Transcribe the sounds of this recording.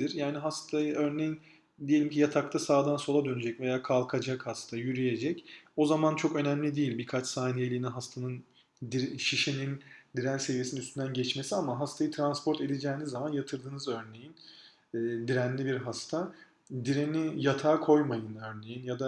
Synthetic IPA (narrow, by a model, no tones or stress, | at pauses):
iɾjaːniɦast̪ʰajɯø̞ɾnejin | d̪ijeimcʰijat̪ʰak̚t̪ʰasaːd̪anso̞lˠad̪ønyd͡ʒɛcve̞jaːkʰalˠkʰad͡ʒakhast̪ʰajyɾyje̞d͡ʒɛco̞zamant͡ʃʰo̞kø̞næmlʲid̪ijilʲbiɾkʰat͡ʃsaːnije̞lʲiːniɦast̪ʰanɯn | d̪ʃiʃenind̪iɾænse̞vijesinnyst̪ynd̪ænɟɛt͡ʃme̞siamaɦast̪ʰajɯt̪ʰɾanspʰo̞ɾt̪e̞d̪ed͡ʒɛːnizːamanjat̪ʰɯɾd̪ɯːnɯzø̞ɾne̞jinː | d̪iɾænlʲibiɾɦast̪ʰa | d̪iɾenijat̪ʰaːkʰo̞jmajɯnø̞ɾne̞jinjad̪a